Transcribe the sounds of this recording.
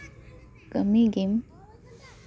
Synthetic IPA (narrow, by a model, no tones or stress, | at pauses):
kəmiɡim